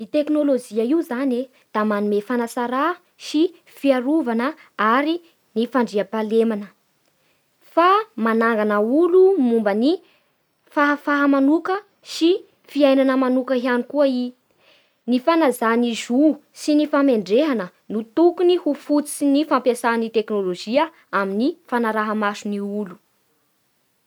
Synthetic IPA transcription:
it̪eknolod͡ʒiaiuzane | d̪̥amanumefanasaɾa | si | fiaɾuvanə | aɾi | nifaɳɖ͡ʐiapalemanə | famanaŋɡanəulumumbəni | faɦfaɦamanukə | si | fiajnanəmanukəɦianikuai | nifanazanizusinifameɳɖ͡ʐeɦanə | nut̪ukunihufut͡sinifampjasanit̪eknoloʒiə | aminifanaɾaɦəmasuniulu

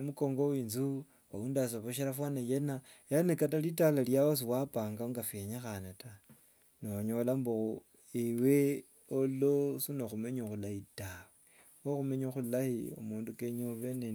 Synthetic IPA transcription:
muko̞ːŋɡowiːnzu | waundas̬aβoʃeɾafwanajenajanekatalitalaljawos̬iwapaːŋɡaŋɡafeɲaxanata | nooɲolambou | ewe | olosinoxumeɲoxulahitawe | woxumeɲoxulahio̰muːndukeɲoβene

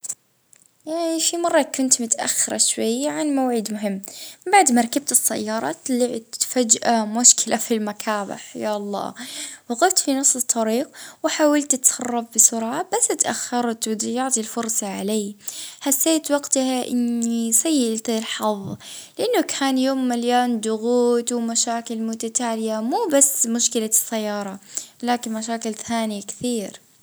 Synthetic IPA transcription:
jafimɑrˤːɑkʊnt̪mʊt̪ʔa̰xːɪɾˤɑʃwajːʕanmawʕid̪mʊɦɪmːbaʕd̪maɾˤɑkab̚t̪ɪsːa̰jːɑːɾˤɑ̰t̪lɪʕt̪fad͡ʒʔamʊʃkʰɪlʔafilmakʰaːba̰ħjaʔɑlˤːɑ̰ːwɪɣʊft̪finɑsˤːɨt̪ˤʰːɑɾiːqwɪħaːwalt̪ɪt̪sɑrˤːɑfbɪsʊɾʕab̥asːɪt̪ʔaxːɑɾˤt̪wɪd̪jɑʕt̪ˤilfʊɾˤsˤɑʕaleːħasːeːt̪wɑɡt̪ahaʔɪ̰nːisajːalt̪ɪlħɑðˤlɪʔanːʊkʰaːnjoːmːaljaːnd̪ʊɣuːt̪wɪmaʃaːkɪlmʊt̪at̪aːlɪjamuːbasːmʊʃkɪlasːajːɑːɾˤɑlaːkɪnmaʃaːkɪlθaːnɪjakθiːɾ

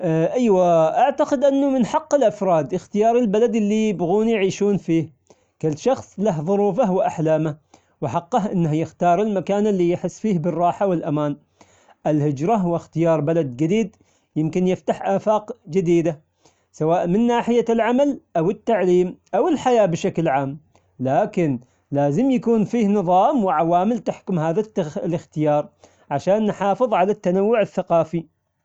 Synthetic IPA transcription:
ʔʔajwaʔaʕt̪aqɪd̪ʔanːʊmɪnħɑqːɪlʔafɾˤɑːd̪ʔɪxt̪ɪjɑːɾˤɪlbalad̪ɪlːijɪbɣuːnijʕiːʃuːnfiːh | kʊlːʃɑxsˤlaɦðˤʊɾuːfawɪʔaħlaːma | wɪħɑqːɑɦʔɪnːahjɪxt̪ɑːɾˤɪlmakaːnɪlːijɪħɪsːfiːhbɪrˤːɑːħawɪlʔamaːn | ʔɪlhɪd͡ʒɾˤɑwɪxt̪ɪjɑːɾˤbalad̪d͡ʒɪd̪iːd̪ | jɪmkɪnjɪft̪aħʔaːfaːqd͡ʒɪd̪iːd̪a | sawaːʔmɪnːaːħɪjalʕamalʔawɪt̪ːaʕliːmʔawɪlħajaːbʃaklʕaːm | laːkɪn | laːzɪmjakuːnfiːhnɨðˤɑːmwɪʕawaːmɪlt̪aħkʊmhaːðalɪxt̪ɪjɑːɾˤ | ʕaʃaːnːħɑːfɨðˤʕalat̪ːanawːʊʕɪθːaqɑːfi

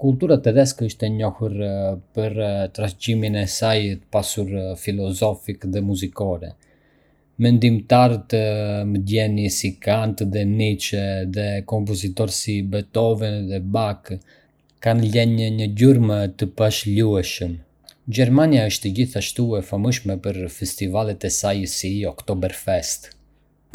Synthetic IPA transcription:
kult̪uɾat̪ɛðɛskəʃt̪ɛɲɔhuɾpəɾt̪ɾaciminɛsajt̪ə̥pasuɾfilɔzɔfikðɛmuzikɔɾɛ̰ | mɛnd̪imt̪aɾət̪məd̪jɛnisikant̪ðɛnit͡ʃɛðɛkɔmp̬ɔzit̪ɔɾsibɛt̪ɔvɛnðɛbak | kanlɛɲəɲəɟuɾmət̪əpaʃluɛʃəm | ɟɛɾmaniaəʃt̪ɛɟiθaʃt̪uɛfaməʃmɛpəɾfɛst̪ivalɛt̪ɛsajəsiɔkt̪ɔbɛɾfɛst̪

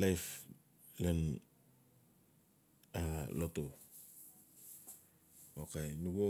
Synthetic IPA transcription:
lajf | len | aloto | okenuɡo

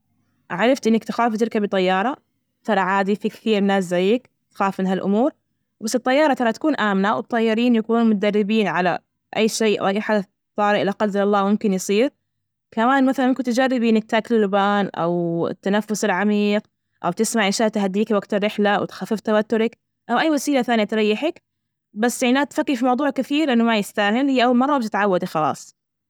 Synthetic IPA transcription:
ʕaɾˤɑft̪ʔɪnːɪkt̪ɪxaːft̪ɪlkabɨt̪ˤɑjːɑːɾˤɑ | t̪ɑɾˤɑʕaːd̪ifikθiːɾɪnːaːs̬zajːɪk | t̪xaːfmɪnɦalʔʊ̰muːɾ | basːɨt̪ˤːɑjːɑːɾˤɑt̪ɑɾˤɑt̪ḁkuːnʔaːmnawb̚t̪ˤːɑjːɪɾiːnjakuːnuːnmʊd̪arˤːɪbiːnʕala̰ | ʔajːʃeːʔa̰wʔajːħad̪a | t̪ˤːɑːɾˤʔɪlaqɑlzɪlɑlˤːɑːmʊmkɪnjsˤiːɾ | kamaːnmaθalanmɪnkʊnt̪d͡ʒarːɪbiːnɪk̚t̪ʰːaːklɪlːʊbaːnʔa̰wɪ̰t̪ːanafːʊsɪlʕamiːq | ʔa̰wt̪ɪsmaʕʔɪʃaːʔt̪ɦad̪ːiːkwaɡt̪ɪrːɪħlawt̪xafːɪft̪awat̪ːʊɾɪk | ʔawʔajːwasiːlaθaːnijat̪ɾˤɑjːɪħɪk | basːɪʕaːt̪fakːifimɑwd̪ˤuːʕkːɪθiːɾʔɪnːʊmajɪst̪aːhɪlhijːʔawːalmɑrˤːɑbt̪ɪt̪ʕawːad̪ixɑlɑ̰ːsˤ

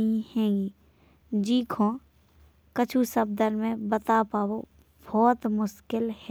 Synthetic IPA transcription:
ĩhɛ̃ːɡiː | d͡ʒiːkʰõː | kət͡ʃʰusəb̚d̪əɾmẽbət̪apaːwo | bʱɔːt̪mʊʃkɪlhɛ

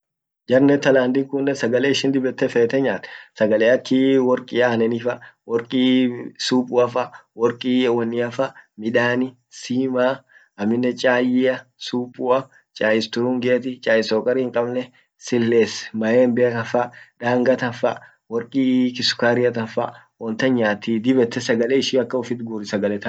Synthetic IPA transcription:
d͡ʒɐɾnɛt̪ːɐlaːnd̪ɪŋkʊnːɛsɐɡɐleːɪʃɪnd̪ɪbɛt̪ːɛfeːt̪ːɛɲːaːt̪sɐɡɐleːɐkʰːiwɔɾkʼiahnɛnɪfɐwɔɾkʼisuːpʼʊɐfɐwɔɾkʼiːwɐnːɪɐfɐmɪᶑaːnɪ | siːmaː | ɐmːɪnːɛt͡ʃʼaːjɪɐsuːpʼʊɐ | t͡ʃʼaːjɪst̪ʊɾuːŋɡeːt̪ɪt͡ʃʼaːjɪsoːkʼɐɾiːŋkʼɐbnɛ | sɪlːeːsmɐjeːmbeːkɐfɐᶑaːŋɡɐt̪ɐfɐ | wɔɾkʼiːkɪsʊ̥kaːɾɪɐt̪ɐfɐ̰ | wɔnt̪ɐɲaːt̪id̪ɪbɛt̪ːɛsɐɡɐleːɪʃiːɐkːɐʊfɪt̪ɡuɾɪsɐɡɐlɛt̪ɐ

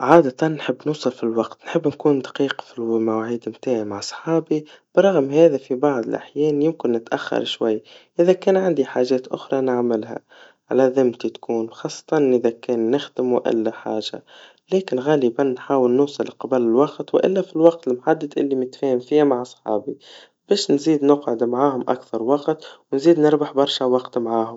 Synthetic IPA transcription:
ʕaːd̪at̪ɑnːħɪbːnuːsˤɨlfilwɑqt̪nħɪbːnkuːnd̪ḁqiːqfilmawaʕiːd̪mt̪aːʕimaʕsˤħɑːbib̥əɾˤːɑɣmhɛːðæfibɑʕðˤəlʔa̰ħjɛːnjɪmkɪnːɪt̪ʔaxːɑ̰ɾˤʃwajːʔɪðækɛːnʕand̪iħaːʒɛːt̪ʔʊxɾˤɑnɪʕmɪlɦæ̰ | ʕalaðɪmt̪it̪kʰuːnxɑːsˤːɑ̥t̪ˤɑnʔɪðakɛːnːɪxd̪ɪmuʔɪ̰lːaħaːʒa̰ | lɛːkɪnɣaːləbanːħaːwɪlnʊːsˤɨlqɑblɪlwɑqt̪wɪʔɪ̰lːafilwɑq̚t̪ɪlmħad̪ːad̪ʔɪ̰lːimɪt̪fɛːhɪmfihamaʕɑsˤħɑ̰ːbi | b̥ɛːʃnziːd̪nʊqʕɪd̪mʕaːhʊmʔa̰kθɑɾˤwɑqt̪wnziːd̪nɪɾbaħbɑɾˤʃawɑqt̪mʕaːhʊm

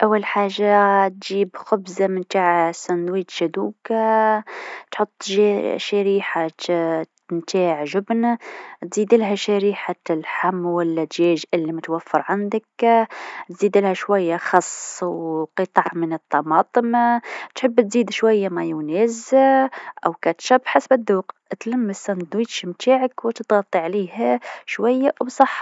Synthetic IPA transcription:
ʔæwːælħaʒːat̪ʒiːbxʊbzamənt̪aʕsænwiːt̪ʃæd̪uːk | t̪ħot̪ˤːʒʃæɾiːħa | nt̪aːʕʒʊbnt̪ziːd̪əlɦæʃæɾiħalħamːwælːæt̪ʒæʒʔəlːimʊt̪wæfːəɾʕand̪ək | t̪ziːd̪əlhæʃwæjːaxɑsˤːwqɨt̪ˤɑʕmənət̪ˤːɑmɑːt̪ˤəmt̪ħəbːt̪ziːd̪ʃwæjːamæjunæzaʔæwkæt̪ʃæbħasbæd̪ːuqt̪læmːəsænd̪wiːt̪ʃmt̪aːʕəkwət̪ət̪ɣɑt̪ˤːiʕliːhæʃwæjːabsˤɑħː

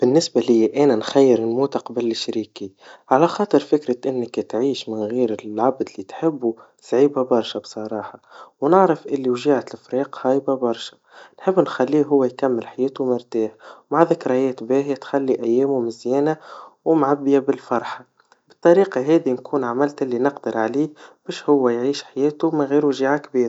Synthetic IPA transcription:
b̥ɪnːɪsbalɪjːæʔɛːnænxæjːɪɾɪlmuːt̪aqɑbalɪʃɾiːkiʕalæxɑːt̪ˤɨɾfɪkɾaʔɪnːɪkt̪ʕiːʃmɪnɣiːɾɪlʕabd̪lit̪ħɪbːu | sʕiːbabɑɾˤʃabsˤɑɾˤɑːħɑwnɪʕɾɪfʔɪlːiwʒiːʕat̪lfɾiːqhɑːjbabɑɾˤʃḁ | nħɪbːnxælːiːɦʊwːæjkamːɪlħajɛːt̪umʊɾt̪aːħwmaʕðɪkɾˤɑjɛːt̪bæːɦjat̪xælːiʔæjːɛːmumɪzjɛːnawmʕabːjabɪlfɑɾˤħɑ | bɪt̪ˤːɑɾiːqɑɦɛːd̪inkʰuːnʕamɪlt̪ʔɪlːinɪqd̪əɾʕaliːb̥ɛːʃhʊwːæjʕiːʃħajɛːt̪umɪnɣiːɾuʒiːʕakbiːɾ

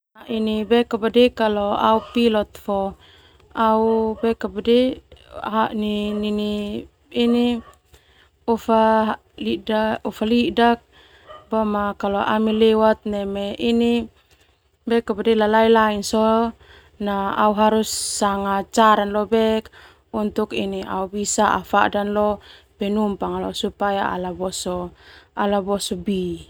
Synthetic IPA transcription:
aʔinibɛkabadɛkaloa̰upilɔt̪̚fɔ | aubɛkabadɛ | ɦanininiː | ni | ɔfa | liaɔfalidak̚ | bamakaloʔa̰milɛwat̪̚nɛmeini | bɛkabadɛlalailainsɔ | naauɦaɾusːaŋat͡ʃaɾanlɔbɛk | unt̪ukiniʔa̰ubisaʔa̰fa̰danlɔ | pɛnumpaŋalɔ̰supajaa̰labɔsɔalabɔsɔbi

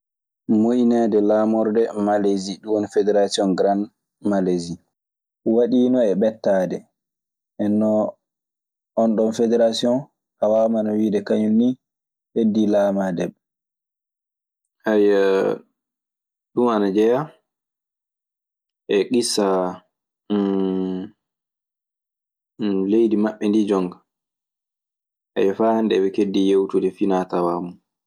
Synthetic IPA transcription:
moʔinɛdɛlaːmɔɾdɛmaleziɗuwɔnfɛdɛɾasiɔnɡɾan | malezi | waɗiːnɔɛɓɛtːaːdɛ | ʔɛnːɔ | nɗɔnfedɛɾasiɔn | awamanawiːdɛkaɲuni | ʔedːilaːmadɛɓ | ʔaj | ɗumanad͡ʒɛja | ʔɛɡisːa | lejdimaɓːɛndid͡ʒɔŋɡ | ʔa̰jɛfahandɛbɛkedːijewtudɛfinatawamu

